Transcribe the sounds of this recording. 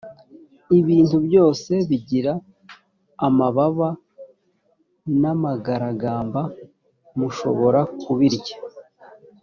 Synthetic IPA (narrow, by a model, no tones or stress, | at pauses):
iβiːntubɟo̞ːse̞βiɟiɾaː | maβaβa | namaɡaɾaɡaːmba | muʃo̞̰βo̞ɾakuβiɾɟḁ